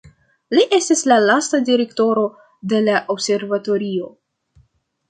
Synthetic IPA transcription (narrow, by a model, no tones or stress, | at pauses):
liʔe̞stislalastadiɾe̞kto̞ɾo̞ | de̞laʔobse̞ɾvato̞ɾio̞